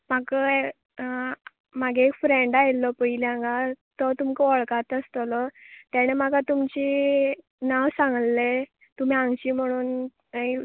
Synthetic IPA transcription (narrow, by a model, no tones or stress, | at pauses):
m̤akə | maɡeːkfɾeɳɖajlːɔpəilãŋɡat̪ɔt̪umkəɔɭkat̪əst̪ɔlɔt̪aɽ̃em̤aɡat̪umt͡ɕi | nawsãŋɡlːe | t̪um̤iãŋɡt͡ɕiːm̤əɽ̃uːn | i